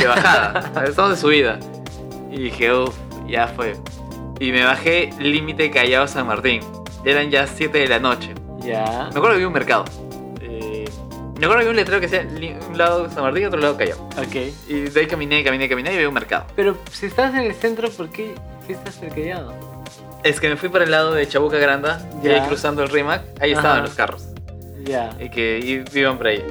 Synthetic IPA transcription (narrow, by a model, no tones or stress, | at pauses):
d̪eβaxaða̰est̪amozðesuβ̞iða | iðixeuf | ʝafwe | ime̞βaxe̞limit̪ekaʝaosaŋmaɾt̪iŋ | eɾanʝasje̞t̪eðelano̞t͡ʃe̞ | jameakweɾeβiunmeɾkað̞o̰ | e | meakweɾðeβiũnle̞t̪ɾeokeasialiunlaðosaŋmaɾt̪iniot̪ɾo̞laðo̞kaʝa̰wokejiðaikamĩnekamĩnekaminaɾiβiunme̞ɾka̰ðo̰peɾosiest̪as̬enelsent̪ɾopoɾke | siest̪aseɾkaʝaðo | e̞ske̞me̞fwipoɾelːað̞oðe̞t͡ʃaβukaɣɾand̪aaikɾusand̪oelrimakaieaβaloskaros | ʝakeiβiβampoɾai